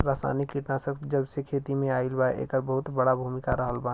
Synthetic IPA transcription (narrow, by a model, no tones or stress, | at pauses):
ɾaːsa̰ːnikːiʈnasəkd͡ʒəbsekʰeːt̪imẽaːɪlbaʔḛːkəɾbəɦʊt̪bəɽabʱuːmɪkaɾəɦəlbã